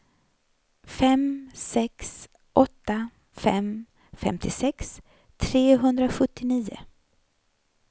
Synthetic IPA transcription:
fɛmsɛks | ʔɔt̪ːa | fɛ̰m | fɛ̰mt̪ʰɪsɛks | t̪ʰɾeːɦɵnd̪ɾaɧɵt̪ːɪniːʊ̰

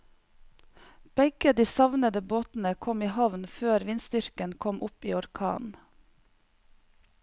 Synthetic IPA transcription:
b̥ɛɡəd̪iːsɑʋnəd̪əboːt̪n̩əkʰɔmiːhɑʋnføːɾʋɪnst̪ʏɾkənkʰɔmʔʊpiːɔɾkʰɑ̰ːn

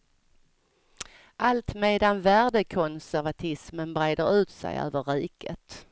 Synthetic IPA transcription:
ʔalt̪meːd̪anvæːɖəkʰɔnsæɾvat̪ʰɪsmənbɾeːd̪əɾʉ̟ːt̪sæ̰jø̰ːvəɾiːkʰət̪

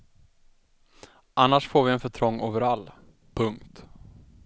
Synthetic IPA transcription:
anːaʂfoːɾvɪɛnfœʈʰɾɔŋːoːvəɾalː | pʰɵŋkt̪

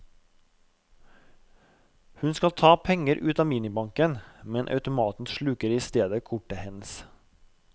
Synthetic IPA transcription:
hʉnskɑlt̪ʰɑːpʰɛŋəɾʔʉːt̪ɑmiːnɪbɑŋkənmɛnʔɑ̰ʉt̪ʊmɑːt̪n̩ʃɭʉːkəɾiːst̪eːd̪əkʰʊʈəhɛnəs

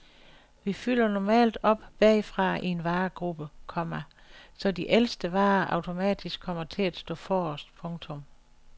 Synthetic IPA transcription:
ʋifyl̰ɐnɒmɛ̰ːld̥ɒ̽b̥b̥ɛfʁɑ̈ʔie̝nʋɑ̈ːɡ̥ʁub̥əkʰɒ̽m̰ɐsɒ̽diʔelsd̥əʋɑ̈ːʔɑ̈ʊt͡sʰo̝mɛ̰ːd̥isɡ̥ʰɒ̽m̰ɐt͡sʰe̝læd̥sd̥ɔ̰̽ːfɒːɒsd̥pʰɔ̽ŋt͡sʰɔ̽m

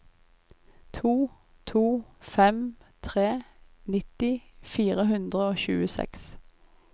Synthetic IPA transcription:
t̪ʰuː | t̪ʰuːfɛmt̪ʰʁeːnɪt̪ɪfiːʁəhʉnd̪ʁəoːçʉ̰ːəsɛ̰ks

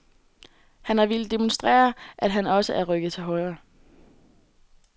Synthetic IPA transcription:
hænhɑ̈ʋe̝ld̥emonsd̥ʁɛ̰ːɐʔæd̥ɦænɒ̽səʔæɐʁœɡ̥ð̩ˠt͡sʰe̝ɦɒ̽ɪɐ

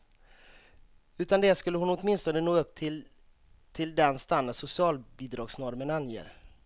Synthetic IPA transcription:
ʉ̟ːt̪and̪ɛskɵlːəhʊnɔt̪mɪnst̪ɔnənoːɡɵpːt̪ʰɪl | t̪ʰɪld̪ɛnst̪and̪ad̪sʊsɪɑːlbiːd̪ɾɑːɡsnɔɾmənanjḛːɾ

